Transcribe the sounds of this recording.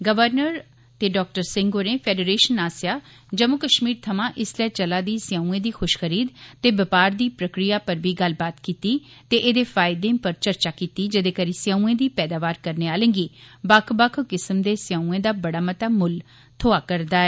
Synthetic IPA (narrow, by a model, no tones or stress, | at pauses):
ɡəʋəɾnəɾ | t̪eːɖɔːk̚ʈəɾsɪ̃ŋɡoːɾẽːpʰɛːɖeɾeːʃənaːsjaː | d͡ʒəmʊkəʃmiːɾt̪ʰəmãːʔɪslɛːt͡ʃəlaːd̪iːsɪjãːũẽːd̪iːxʰʊʃxʰəɾiːd̪t̪eːbəpaːɾd̪iːpɾəkɾijaːpəɾbiːɡəlbaːt̪kiːt̪iː | t̪eːʔeːd̪eːfʰaːɪd̪ẽːpəɾt͡ʃəɾt͡ʃaːkiːt̪iːd͡ʒəd̪eːkəɾiːsɪjãːũẽːd̪iːpɛːd̪aːʋaːɾkəɾneːaːlẽːɡiːbəkʰbəkʰkɪsəmd̪eːsɪjãːũẽːd̪aːbəɽaːmət̪aːmʊl | t̪ʰoːaːkəɾd̪aːɛː